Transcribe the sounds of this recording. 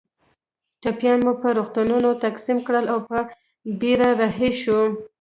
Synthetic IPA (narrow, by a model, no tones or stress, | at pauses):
ʈapjɑnmupəɾoxt̪ununot̪aksimkɽəlawpə | biɾaɾaɦeʃu